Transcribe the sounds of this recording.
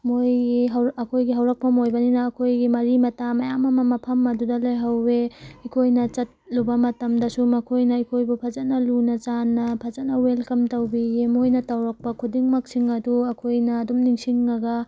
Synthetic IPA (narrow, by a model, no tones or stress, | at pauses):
mojɡiɦɐwɐkʰojɡiɦɐwɾɐk̚pɐmojbɐninɐːkʰojɡimɐɾimɐtamɐjamɐmɐmɐpʰɐmɐdudɐlɐjɦɐwːeikʰojnɐt͡ʃɐt̚lubɐmɐtɐmdɐsumɐkʰojnɐikʰojbupʰɐzɐt̚nɐlunɐt͡ʃanːɐpʰɐzɐtnɐwelkɐmtɐwbiemojnɐtɐwɾɐk̚pɐkʰudiŋmɐk̚siŋɐduɐkʰojnɐːdumniŋsiŋːɐɡɐ